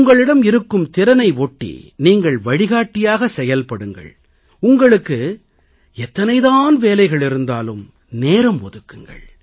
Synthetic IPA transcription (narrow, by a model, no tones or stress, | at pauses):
ʊŋɡɐɭɪɽɐmɪɾɯkːɯmt̪ɪɾɐnɐɪʋoːʈːḭniːŋɡɐɭʋɐɻɪɣaːʈːɪjaːɣɐsɛjɐlpɐɽɯŋɡɐ̰ɭ | ʊŋɡɐɭɯkːɯ | ɛt̪ːɐnɐɪðaːnʋeːlɐɪɣɐɭɪɾɯnd̪aːlɯm | neːɾɐmʋɔðɯkːɯŋɡɐ̰ɭ